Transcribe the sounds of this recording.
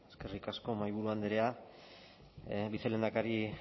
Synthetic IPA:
eske̞rikasko̞majβuɾuand̪eɾea | βiθele̞nd̪akaɾi

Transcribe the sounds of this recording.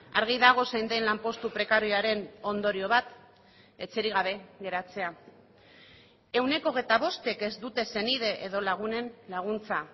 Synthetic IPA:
aɾɣ̞iðaɣ̞o̞sejnd̪enlampo̞st̪upɾe̞kaɾiaɾe̞no̞nd̪o̞ɾio̞βat̪ | e̞t͡se̞ɾiɣ̞aβ̞e̞ɣe̞ɾat͡se̞a | e̞wne̞ko̞ɣe̞jt̪aβ̞o̞st̪e̞ke̞zd̪ut̪e̞se̞nið̞e̞ʔeðo̞laɣ̞une̞nlaɣ̞unt͡sa

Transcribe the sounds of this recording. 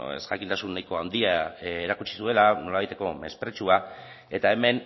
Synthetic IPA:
ḛsɣakint̪asunːajko̞and̪iaeɾakut͡ʃi̥sue̞lano̞laβajt̪e̞ko̞me̞̰spɾe̞t͡ʃua | e̞t̪ae̞me̞n

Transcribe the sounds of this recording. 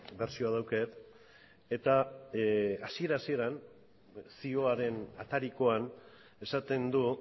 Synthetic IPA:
be̞ɾsio̞að̞awket̪ | e̞t̪a | asie̞ɾasie̞ɾan | sio̞aɾe̞nat̪aɾiko̞an | e̞sat̪e̞nd̪u

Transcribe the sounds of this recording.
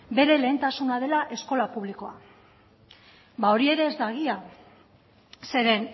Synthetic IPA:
be̞ɾe̞le̞ːnt̪asunað̞e̞laʔe̞sko̞lapuβ̞liko̞a̰ | bao̞ɾie̞ɾe̞ːzd̪aɣ̞ia | se̞ɾe̞n

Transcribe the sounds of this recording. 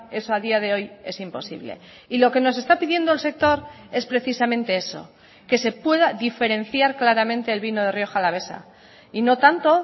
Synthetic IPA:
e̞so̞aðiað̞e̞o̞je̞simpo̞sḭβle̞̰ | ilo̞ke̞no̞s̬e̞st̪apiðje̞nd̪olse̞k̚t̪o̞ɾ | e̞spɾe̞θisamẽnt̪e̞e̞so̞̰ | ke̞se̞pwe̞ð̞aðife̞ɾe̞n̟θjaɾklaɾamẽ̞nt̪e̞ːlβino̞ðe̞rjo̞xalaβ̞e̞sa̰ | ino̞t̪ant̪o̞

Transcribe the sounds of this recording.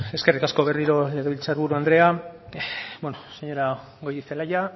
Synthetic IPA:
e̞ske̞rikasko̞βe̞riɾo̞le̞ɣ̞eβilt͡saɾβuɾuand̪ɾe̞a | bwenoseɲo̞ɾa | ɡo̞jðiθelaja

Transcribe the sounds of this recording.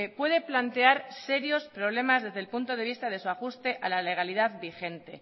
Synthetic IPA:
pwe̞ð̞e̞plant̪e̞aɾse̞ɾjo̞spɾo̞β̞le̞mazðe̞zðe̞lpunt̪o̞ð̞e̞β̞ist̪að̞e̞suaxust̪e̞ʔalale̞ɣ̞aliðaðbixe̞nt̪e

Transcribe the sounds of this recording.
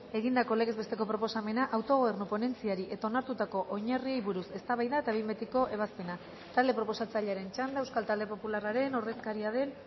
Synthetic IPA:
e̞ɣind̪ako̞le̞ɣe̞zβe̞st̪e̞ko̞pɾo̞po̞same̞naʔawt̪o̞ɣoernupo̞ne̞nt͡siaɾiʔe̞t̪ao̞naɾt̪ut̪ako̞ʔoɲariejβuɾuse̞st̪aβajðae̞t̪aβimbet̪iko̞ʔe̞β̞aspe̞na | t̪ald̪e̞pɾo̞po̞sat͡saʎaɾe̞nt͡ʃand̪aewskalt̪ald̪e̞po̞pularaɾe̞no̞re̞skaɾiaðe̞n

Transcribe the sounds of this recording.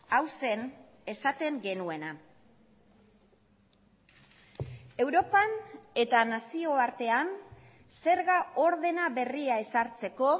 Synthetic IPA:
awse̞n | e̞sat̪e̞ŋɡe̞nue̞na | e̞wɾo̞pane̞t̪anasio̞aɾt̪e̞an | se̞ɾɣao̞ɾðe̞naβe̞riae̞saɾt͡se̞ko̞

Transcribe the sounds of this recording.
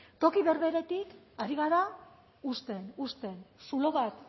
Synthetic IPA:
t̪o̞kiβe̞ɾβe̞ɾe̞t̪ik | aɾiɣ̞aɾa | ust̪e̞nust̪e̞nsulo̞βat̪

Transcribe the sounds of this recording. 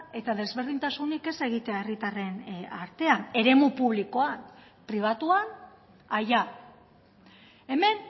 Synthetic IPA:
e̞t̪aðe̞zβe̞ɾðint̪asunike̞se̞ɣ̞it̪e̞ae̞rit̪are̞na̰ɾt̪e̞ane̞ɾe̞mupuβ̞liko̞an | pɾiβ̞at̪uan | aja | e̞me̞n

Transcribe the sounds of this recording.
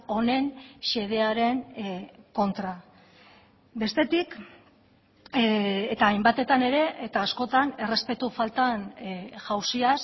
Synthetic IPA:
o̞ne̞nʃe̞ð̞e̞aɾe̞nko̞nt̪ɾa | be̞st̪e̞t̪ik | t̪aːjmbat̪e̞t̪ane̞ɾe̞ːt̪aːsko̞t̪ane̞re̞spe̞t̪ufalt̪anʝawsias

